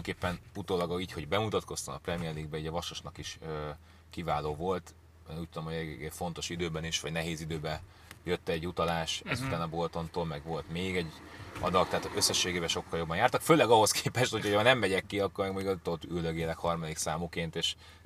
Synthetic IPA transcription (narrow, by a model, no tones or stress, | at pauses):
ŋkeːpːɛnut̪oːlɒɡiːcho̞ɟbɛmut̪ɒt̪ko̞st̪ɒ̰ɒ̰prɛmijɛrliɡbɛiːɟɒvɒʃoʃnɒkiʃøː | kivaːloːvo̞lt̪ | eːnuːc̚t̪ːud̪o̞mhoɛfo̞n̪t̪o̞ʃid̪øːbɛniʃʋɒ̰ɟnɛɦeːzid̪øːbɛ | jøt̪ːɛɟːut̪ɒlaːʃɛzut̪aːnɒbot̪o̞nt̪oːlmɛɡʋo̞lt̪meːɡɛɟɒ̰d̪ɒkt̪ɛɦaːt̪øsːɛʃːeːɡeːbɛʃo̞kːɒljo̞bːɒnjaːrt̪ɒkføːlɛɡɒɦo̞skʰeːpɛʃt̪ho̞cʰhonɛmːɛɟɛkːiɒkːormɛɡmoɟuɡɒzut̪olt̪yld̪øɡeːlɛkhɒrmɒd̪iksaːmukeːnt̪eːʃ